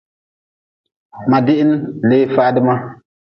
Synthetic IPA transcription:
ma˨dɪ˦ʔɪ˦n˦le˦fa˦dɨ˦ma˦

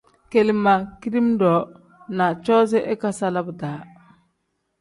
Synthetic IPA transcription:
ke˨li˨ma˨ki˦ɾi˦mdɔ˨˦ | na˨t͡ʃɔ˦ze˦ʔe˦ka˦sa˦la˦bda˨˦

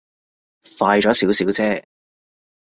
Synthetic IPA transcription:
faː˧jt͡ʃɔː˨˥si˨˥wsiː˨˥wt͡sɛː˥

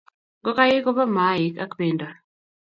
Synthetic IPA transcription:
ɡɔ˦ka˦ji˦kɔ˦ba˦ma˨˦i˨ka˦kbe˨nda˨

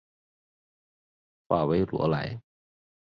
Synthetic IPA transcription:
faː˧˩we˦˥jlṵ˨˩˦la̰˨˦j

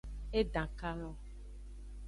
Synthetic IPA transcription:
e˦ɖã˨ka˦lɔ̃˦

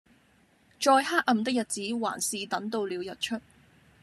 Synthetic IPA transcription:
t͡ʃɔː˧jhaː˥k̚ɐ˨mt̪ɪ˥k̚jɐ˨t̚t͡siː˨˥wa̰ː˨˩nsiː˨t̪ɐ˨˥ŋt̪o˧wliː˨wjɐ˨t̚t͡ʃʰɵ˥t̚

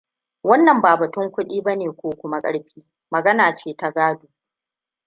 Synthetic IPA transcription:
wɐ˦nːɐ˨mbaː˨bɐ˨tʊ˦ŋkʷʊ˦ɗiː˦bɐ˦neː˨kʷoː˦kʷʊ˦ma˦kʼɐ̰˦ɽɸiː˦ | mɐ˨ɡɐ˦naː˨t͡ʃeː˦ta˦ɡaː˦duː˨

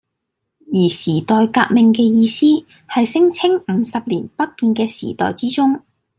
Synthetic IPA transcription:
jiː˨˩siː˨˩t̪ɔː˨jkaː˧k̚mɪ˨ŋkɛː˧jiː˧siː˥ | hɐ˨jsɪ˥ŋt͡sʰɪ˥ŋm̩˨˧sɐ˨p̚liː˨˩npɐ˥t̚piː˨nkɛː˧sḭː˨˩t̪ɔ̰ː˨˩jt͡siː˥t͡sʊ˥ŋ

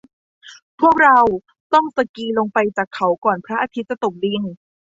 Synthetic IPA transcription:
pʰu˥˩ək̚ɾa˧w | t̪ɔ˥˩ŋsa˧kiː˧lo˧ŋpa˧jt͡ɕaː˨˩kʰːa˦˥wkɔː˨˩npʰɾa˦˥ʔaː˧t̪ʰi˦˥t̪̚t͡ɕːa˨˩t̪o˨˩k̚li˧n

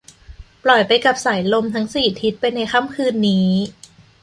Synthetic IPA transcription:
plɔ˨˩jpa˧jka˨˩p̚sa˩˦jlo˧mt̪ʰa˦˥ŋsiː˨˩t̪ʰi˦˥t̪̚pa˧jna˧jxa˧˥˩mkʰɯː˧nːiː˦˥

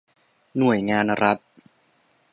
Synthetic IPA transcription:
nu˨˩əjŋaː˧nɾa˦˥t̪̚

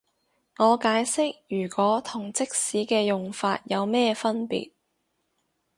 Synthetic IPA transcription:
ŋɔː˨˧kaː˨˥jsɪ˥k̚jyː˨˩kwɔː˨˥t̪ʰʊ˨˩ŋt͡sɪ˥k̚siː˨˥kɛː˧jʊ˨ŋfaː˧t̚jɐ˨˧wmɛː˥fɐ˥npḭː˨t̚

